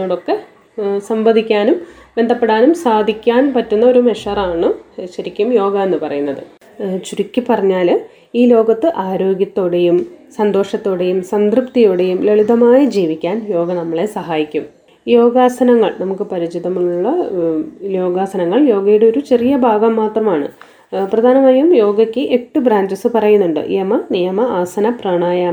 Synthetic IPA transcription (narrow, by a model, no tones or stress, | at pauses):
oːɽo̞kːe̞ | sɐmbɐd̪ikʲːaːnum | be̞nd̪ʱɐpːe̞ɽaːnumsaːd̪ʱikʲːaːnpɐtːunːɐo̞ɾumeʂɐraːɳɨɕɐɾikʲːumjo̞ːɡɐenːɨpɐrɐjunːɐðɨ | t͡ɕuɾukʲːɨpɐrɐɲːaːl | iːlo̞ːɡɐt̪ːɨʔaːɾo̞ːɡjɐt̪ːo̞ːɽejumsɐnd̪o̞ːʂɐt̪ːo̞ːɽe̞jumsɐnd̪rɨpt̪ijoːɽe̞jumleɭiðɐmaːjid͡ʑiːʋikʲːaːnjo̞ːɡɐnɐmːɐɭe̞sɐɦaːjikʲːum | jo̞ːɡaːsɐnɐŋːɐɭnɐmukːɨpɐɾit͡ɕiðɐmuɭɭːɐ | lo̞ːɡaːsɐnɐŋːɐɭjo̞ːɡɐjuɽeo̞ɾut͡ɕe̞rijɐbʱaːɡɐmːaːt̪rɐmaːɳɨ̰ | prɐd̪ʱaːnɐmaːjumjo̞ːɡɐkʲːɨʔeʈːɨbɾaːɲd͡ʑɐsɨpɐrɐjunːuɳɖɨ̰jemɐnijɐmɐaːsɐnɐprɐːɳaːjaː